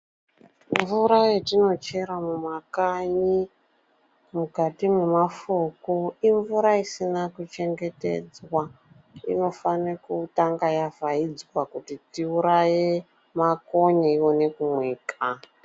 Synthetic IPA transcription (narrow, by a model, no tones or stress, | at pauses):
ɱvuɾajetino̞t͡ʃe̞ɾamumakaɲi | mukatimumafukuiɱvuɾaisinakut͡ʃe̞ŋɡe̞te̞̰d͡zwa | ḭno̞fanekutaŋɡajavʱaid͡zwakutitiuɾaje | mako̞ɲaiwo̞ne̞kumweːkʰa